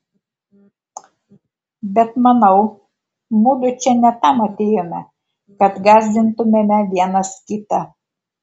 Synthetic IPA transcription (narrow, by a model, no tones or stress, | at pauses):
bʲɛt̪mɐnɐʊ | muːlʲʊt͡ʃʲɛnʲɛt̪ɐmɐt̪ʲeːjomʲɛ | kɐt̪ɡɑːzʲd̪ʲɪnt̪ʊmʲemʲɛʋʲiɛnɐskʲɪt̪ɐ